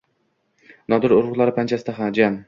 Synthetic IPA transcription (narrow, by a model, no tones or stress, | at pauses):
nɒd̪ɪɾʊɾʊʁlˠaɾɪpʰant͡ʃʰasɪd̪aɦad͡ʒan